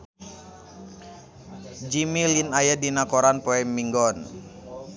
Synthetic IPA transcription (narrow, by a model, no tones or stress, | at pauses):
d͡ʒimilinajadinakɔɾanpɔɛmːiŋɡɔn